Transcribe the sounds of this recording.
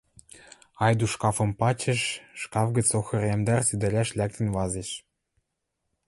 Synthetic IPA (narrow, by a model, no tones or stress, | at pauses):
ɑjd̪uʃkɑfɤ̆mpɑt͡ɕĕʃʃkɑfɡɘ̆t͡soxɤ̆rʲemd̪ærsid̪ɘ̆lʲæʃlʲæk̚t̪ɘ̆nvɑzĕʃ